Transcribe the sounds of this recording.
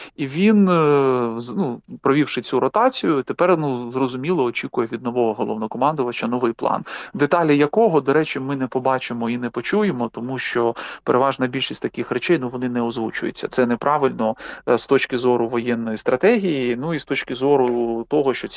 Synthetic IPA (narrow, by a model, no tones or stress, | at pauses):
iʋʲin | nupɾɔʋʲiwʃɪt͡sʲuɾɔt̪ɑt͡sʲijʊt̪epɛrnuzrɔzʊmʲilˠɔːt͡ʃʲikʊjɛʋʲid̪nɔʋɔɦɔɦɔlˠɔ̰ʋnɔkɔmɑnd̪ʊʋɐt͡ʃɐnɔʋɪjplˠɑ̰nd̪et̪ɑlʲɐjɐkɔɦɔd̪ɔɾɛt͡ʃɪmɪnɛpɔbɑt͡ʃɪmɔinɛpɔt͡ʃujemɔt̪ɔmuʃt͡ʃɔpeɾʔeʋɑʒnɐbʲilʲʃisʲt̪ɐkɪxɾɛt͡ʃɛjnuʋɔnɪnɛɔzʋut͡ʃʊjɪ̰t͡sʲːɐ̰t̪sɛnɛpɾʔɑʋɪlʲnɔst̪ɔt͡ʃkɪzɔɾʊʋɔjɛnːɔjist̪ɾɐt̪ɛɦʲijinuist̪ɔt͡ʃkɪzɔɾʊt̪ɔɦɔʃt͡ʃɔt͡sʲ